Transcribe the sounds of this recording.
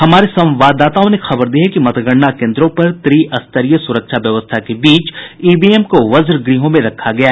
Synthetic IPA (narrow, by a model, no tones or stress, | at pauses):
ɦɐmaːɾesɐ̃ʋaːd̪ːaːt̪aːõnexɐbəɾd̪iːɦɛkimɐt̪ɡəɽnakẽːnd̪ɾõpɐɾt̪ɾiɐst̪əɾijəsʊɾəkʃʰaʋjɐʋəst̪ʰakebiːt͡ʃiːbieːmkoʋɐzɾɡɾiːɦõmẽɾɐkʰːaɡɐjaː